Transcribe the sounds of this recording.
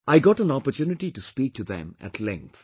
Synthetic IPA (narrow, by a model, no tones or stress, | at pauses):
ʔaɪɡɔʈə̃nɔpəɾtjunɪʈiʈuspiːk̚ʈʰuðɛ̰̃mæ̰ʈʰlɛ̃ŋk̚t̪